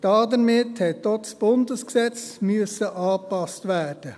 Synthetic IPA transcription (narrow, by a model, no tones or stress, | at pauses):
d̥ɑːdəmɪthɛt̚ːɔsb̥ʊndəsksɛt͡smyəsəʔɑːpɑstʋæːd̥ə